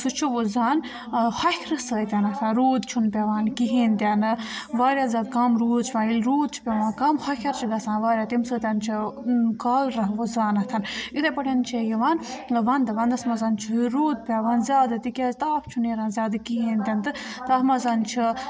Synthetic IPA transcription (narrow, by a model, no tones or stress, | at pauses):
sut͡ʃʰuʋozaːn | hɐkʲʰɾɨsəːt̪ʲanɐt̪ʰanɾoːd̪t͡ʃʰunpʲaʋaːnkiɦiːnt̪ʲanɨʋaːɾʲjaːzʲaːd̪kamɾoːd̪̚t͡ʃʰipʲãːilɾuːd̪̚t͡ʃʰi̥pʲaʋãːnkamhɐkʲʰɐɾt͡ʃʰiɡɐsãːnʋaːɾʲjaːt̪imsəːt̪ʲant͡ʃʰikaːlɾɐɦʋuzaːnɐt̪ʰɐnit̪epɐʈʰʲent͡ʃʰejiʋaːnʋɐnd̪ɨʋɐnd̪ɐsmɐzant͡ʃʰiɾoːd̪̚pʲaʋaːnzʲaːd̪ɨt̪ikʲazt̪aːpʰt͡ʃʰuneɾaːnzʲaːd̪kiɦiːnt̪ʲant̪ɨt̪ɐsmazant͡ʃʰi